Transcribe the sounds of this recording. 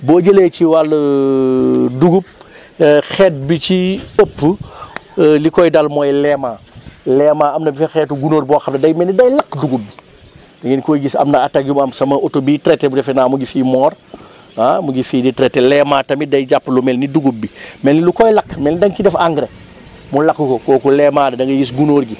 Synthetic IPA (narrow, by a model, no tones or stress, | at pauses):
boːɟəlejt͡ʃiwalː | duɡup̚ | xɛːt̚bit͡ʃiəpː | likɔjdalmɔjlɛmaːlɛːmaːɐmnɐbifɛxɛtuɡunoːɾbɔxɐmnɐdɐjmɛnidɐjlɐkːduɡumːi | dɐŋɡinkoːɡisɐ̰mnɐataɡjumɐmsɐmɐʔotobitɾɛtːebudɛfɛnaːmuɡifiːmɔːr | amuɡifiːditɾɛtːelɛmaːtɐmidɐjɟapːlumɛlniduɡubːimɛlnilukɔjlɐkːmɛlnidɐŋkidɛfaŋɡɾe | mulɐkːukɔkɔːkulɛmaːdɐdɐŋɡɐɡis̬ɡunoːɾɡi